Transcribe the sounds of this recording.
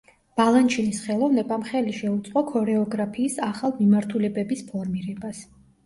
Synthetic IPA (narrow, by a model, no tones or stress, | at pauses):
b̥alˠant͡ʃʰinisχɛlˠɔvnɛbamχɛliʃɛut̪sʼqʼɔkʰɔɾɛɔɡɾapʰiːsaχalˠmimaɾt̪ʰulɛbɛbispʰɔɾmiɾɛbas